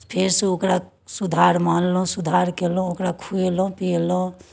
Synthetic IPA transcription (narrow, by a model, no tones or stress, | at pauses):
pʰeɾseokɾa | sud̪ʱaɾmanlõsud̪ʱaɾkelõokɾakʰujlõpilõ